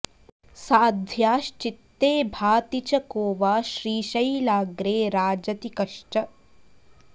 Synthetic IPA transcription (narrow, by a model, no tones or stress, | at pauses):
saːd̪ʱjaːʃt͡ʃit̪ːeːbʱaːt̪it͡ʃɐkoːʋaːʃɾiːʃɐjlaːɡɾeːɾaːd͡ʒɐt̪ikɐʃʈɐ